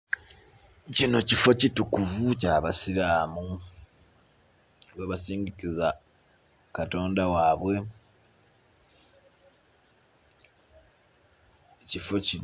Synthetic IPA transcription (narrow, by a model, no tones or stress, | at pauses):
cino̞cifo̞citukuvucaːβasiɾaːmu | lweβasiːŋɡikiza | kato̞ːndawaːβwe̞ | ecifo̞ci